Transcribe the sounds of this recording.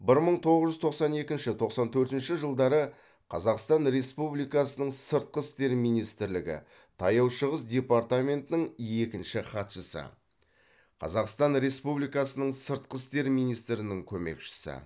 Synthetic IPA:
bɪɾməɴt̪ʰo̞ʁəzʒʏzt̪ʰo̞qsɑne̞kʲɪnʃɪt̪ʰo̞qsɑnt̪ʰɵɾt̪ɪnʃɪʒəlˠd̪ɑɾə | qʰɑ̰zɑqst̪ɑnɾe̞spublijkɑsənəɴsəɾt̪̚qəst̪e̞ɾmijnijst̪ɪɾlɪɡʲɪ̰ | t̪ʰɑjɑwʃəʁəsd̪ʲe̞part̪ame̞nt̪nɪŋe̞kʲɪnʃɪχɑt̪ʃəsə̰ | qʰɑ̰zɑqst̪ɑnɾe̞spublijkɑsənəɴsəɾt̪̚qəst̪e̞ɾmijnijst̪ɾɪnɪŋkʲʰɵme̞̰kʃɪ̥sɪ̰

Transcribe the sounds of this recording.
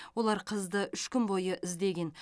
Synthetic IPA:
wo̞lˠɑɾqʰəzd̪əʔʏʃkʲʏmbo̞jəʔɪzd̪e̞ɡʲe̞n

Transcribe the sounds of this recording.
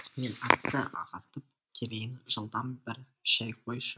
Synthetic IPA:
menɑt̪ːəʔɑ̰ʁɑt̪əp̚ | t̪ʲʰeɾejɪnʒəlˠd̪ɑnbɪɾ | ʃɑjqʰojʃə

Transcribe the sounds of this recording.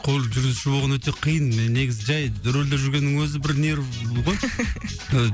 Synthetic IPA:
qʰo̞lˠʒʏɾɡʲɪzʃɪbolʁɑnwɵt̪e̞qʰijənne̞ɡʲɪzɪʒæjd̪ʏɾeld̪eʒʏɾɡʲe̞nːɪŋwɵzɪbɪɾneɾʁoj | ə

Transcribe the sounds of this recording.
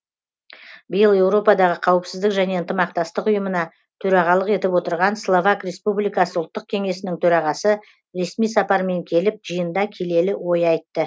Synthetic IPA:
bɪjəlˠe̞wɾo̞pɑd̪ɑʁəqʰɑwəpsɪzd̪ɪkʒæne̞ənt̪əmɑqt̪ɑst̪əqʊjəmənɑ | t̪ʰɵɾɑʁɑlˠəqe̞t̪ɪpwo̞t̪əɾʁɑnslˠovakrʲe̞spublijkɑsəʊlˠt̪ːəq̚kʲʰe̞ŋe̞sɪnɪŋt̪ʰɵɾɑʁɑsə | ɾe̞smijsɑpɑɾme̞ŋkʲʰe̞lɪp̚ʒijənd̪ɑkʲʰe̞le̞lɪwo̞jɑjt̪ːə

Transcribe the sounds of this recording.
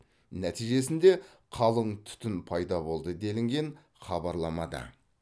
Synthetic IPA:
næt̪ijʒe̞sɪnd̪e̞ | qʰɑlˠəɴt̪ʰʏ̥t̪ɪnpʰɑjd̪ɑbo̞lˠd̪əd̪e̞lɪŋɡʲe̞ɴ | χɑbɑɾlˠɑmɑd̪ɑ̰

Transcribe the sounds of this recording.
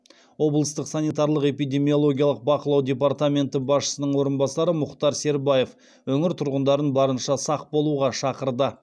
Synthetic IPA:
wo̞blˠəst̪əqsanijt̪ɑɾlˠəqe̞pijd̪ʲe̞mio̞lˠo̞ɡʲijalˠəq̚bɑqəlˠɑwd̪ʲe̞pɑɾt̪amʲe̞nt̪əbɑsʃə̥sənəɴwo̞ɾənbɑsɑɾəmʊqt̪ɑɾse̞ɾbaje̞f | wɵŋɪɾt̪ʰʊɾʁənd̪ɑɾənbɑɾənʃɑsɑq̚bo̞lˠuʁɑʃɑqəɾd̪ə

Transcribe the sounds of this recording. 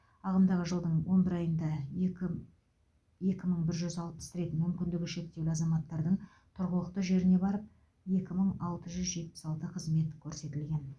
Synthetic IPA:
ɑʁəmd̪ɑʁəʒəlˠd̪əɴwo̞nbɪɾɑjənd̪ɑ | je̞kʲɪməɴbɪɾʒʏzɑlˠpə̥sɾe̞t̪ɪmʏmkʲɪnd̪ɪɡʲɪʃe̞k̚t̪e̞wlɪɑzɑmɑt̪ːɑɾd̪əɴ | t̪ʰʊɾʁəlˠəqt̪əʒe̞ɾɪnebɑɾəp̚ | je̞kʲɪməɴɑlˠt̪əʒʏzʒe̞t̪̚pɪ̥sɑlˠt̪əqʰəzme̞t̪kʲʰɵɾse̞t̪ɪlɡʲe̞n

